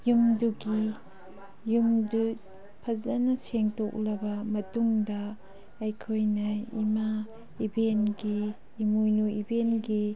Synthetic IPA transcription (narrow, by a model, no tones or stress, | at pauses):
jumduɡi | jumdu | pʰɐzɐnɐseŋtok̚lɐbɐmɐtuŋdɐː | jkʰojnɐḭma | ibenɡiː | mujnuibenɡi